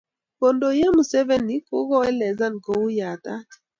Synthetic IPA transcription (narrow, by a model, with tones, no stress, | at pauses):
ko˨ndo˨ja˦mu˨sɛ˦vɛ˦ni˨˦ku˦ɣɔ˦ɛ˦lɛ˨za˦nɡo˨u˦ja˨tḁ˦˨